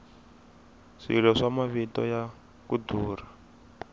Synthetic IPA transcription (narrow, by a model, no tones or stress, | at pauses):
ʂḭlɔʂamaβitɔ̰ja | kuduːr̤a